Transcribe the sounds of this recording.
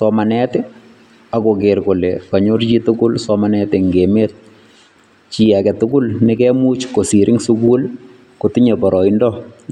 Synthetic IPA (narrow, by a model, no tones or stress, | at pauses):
sɔmanɛtɛ | akokeɾkolekaɲort͡ʃitʊkʊlsɔmanɛtɛŋɡemeːt̚ | t͡ʃiɛkɛtʊkʊlnɪkɛmut͡ʃkosiɾʔɪŋsukul | kotɪɲepɔɾɔindɔ